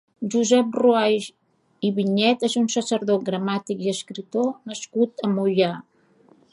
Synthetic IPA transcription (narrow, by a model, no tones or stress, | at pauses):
ʒuzɛp̚ruajʒ | iβiɲɛt̪ezunsəsəɾðot̪̚ɡɾəmat̪ikiəskɾit̪onəskut̪əmuʎa